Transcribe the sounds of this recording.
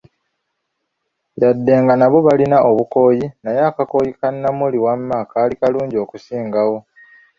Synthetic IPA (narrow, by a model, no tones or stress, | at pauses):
jadːe̞ːŋɡanaβo̞βalinaʔo̞βuko̞ːjinajaːkako̞ːjikanːamuliwamːaːkaːlikaluːɲɟo̞ːkusiːŋɡawo̞